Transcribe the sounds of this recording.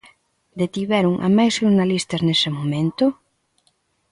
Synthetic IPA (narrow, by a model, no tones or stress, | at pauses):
d̪et̪iβɛɾuŋʔa̰majsʃuɾnalist̪aznesemõmẽnt̪ʊ